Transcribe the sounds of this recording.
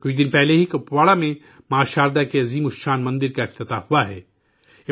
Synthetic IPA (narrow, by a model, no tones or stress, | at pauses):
kʊt͡ʃʰd̪ɪnpɛɦleɦikɐpwaːɭamẽ | mɐaːʃaːɾd̪akeɐziːmʊʃaːnmɐ̃nd̪ɪɾkaɪft̪ɪt̪ahuaɦɛ̰ː | ɪ